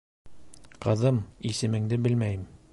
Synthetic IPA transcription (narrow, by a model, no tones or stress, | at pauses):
qɤ̆ðɤmisɘ̆mɘ̆ŋd̪ɘbɘlmæjɘm